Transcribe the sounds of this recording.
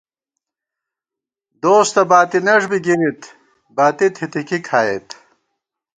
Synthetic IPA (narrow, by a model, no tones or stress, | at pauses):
d̪oːst̪ɐbaːt̪inɐʐbiɡinit̪ | baːt̪it̪ʰit̪ikikʰaːet̪